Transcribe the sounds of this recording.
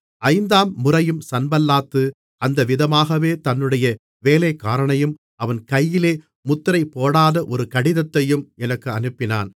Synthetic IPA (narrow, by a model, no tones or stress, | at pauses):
ʔɐɪnd̪aːmːʊrɐjɯmsɐnbɐlːaːt̪ːɯ | ɐnd̪ɐʋɪðɐmaːɣɐʋeːt̪ɐnːɯɽɐjɐ | ʋeːleːkːaːɾɐɳɐjɯm | ɐʋɐnkɐjːɪleː | mʊt̪ːɾɐɪpːoːɽaːðɐʔɔɾɯkɐɽɪðɐt̪ːɐjɯmɛnɐkːɯɐnɯpːɪna̰ːn